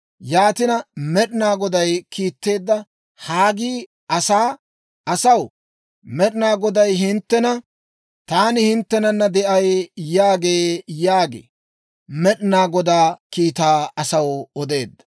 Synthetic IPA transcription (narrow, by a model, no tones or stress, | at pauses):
jaːt̪ɪnɐmɛɗnaːɡɔd̪ɐjkʰiːt̪ːe̞ːd̪ːɐ | haːɡiː | ʔɐsaː | ɐsɐw | mɛɗɪnaːɡɔd̪ɐjɦɪnt̪ːɛnɐ | t̪aːnɪhɪnt̪ːɛnɐnːɐd̪ɛʔɐjjaːɡeːjaːɡḛː | mɛɗnaːɡɔd̪aːkiːt̪aːɐsɐwɔd̪e̞ːd̪ːɐ̥